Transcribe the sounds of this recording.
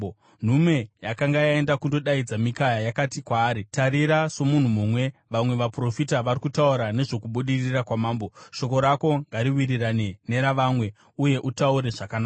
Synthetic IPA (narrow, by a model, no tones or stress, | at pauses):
n̤ume̞jakaŋɡajae̞ndakundo̞ɗaid͡zamikajajakatikwaːɾitaɾiɾaso̞mun̤umumwe̞ʋamwe̞ʋapro̞fitaʋarikutauɾane̞ʐo̞kuɓuɗirirakwamaːmbo̞ʃo̞ko̞ɾako̞ŋɡaɾiwiriranene̞ɾaʋaːmwe̞ | uje̞ʔutauɾe̞ʐakanaːa